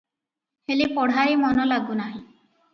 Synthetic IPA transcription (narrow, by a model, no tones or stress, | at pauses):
helipɔɽ̤aɾimɔnɔlaɡunaɦĩ